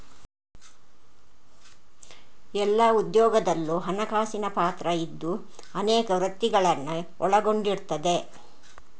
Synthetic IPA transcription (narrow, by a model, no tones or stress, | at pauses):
ɛlːɐud̪jɔːɡɐd̪ɐlːuɦɐnɐkaːsinɐpaːt̪ɾɐid̪ːu | ɐneːkɐʋɾɐt̪ːiɡɐɭɐnːu | ɔɭɐɡo̞ɳɖiɾt̪ɐd̪e̞